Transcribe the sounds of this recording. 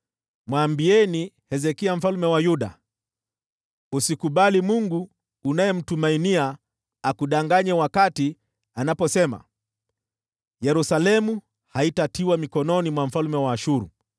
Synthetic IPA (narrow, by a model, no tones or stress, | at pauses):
mwambiɛni | hɛzɛkiam̩falmɛwajuɗa̰ | usikuɓalimuŋɡuː | najɛm̩tumainiaː | kuɗaŋɡaɲɛwakati | anapɔsɛma̰ | jɛɾusalɛmu | haitatiwamikɔnɔnimwam̩falmɛwaːʃuɾṵ